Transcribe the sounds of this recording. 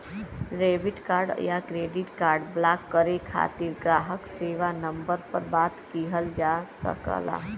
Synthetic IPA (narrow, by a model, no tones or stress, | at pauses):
ɾeːbɪʈkaːɾɖjakɾeːɖɪʈkaːɾɖblaːkːəɾekʰa̰ːt̪iɾɡɾaːɦəkseːʋanə̃mbəɾpəɾbaːt̪kiɦəld͡ʒaːsə̰kə̰la̰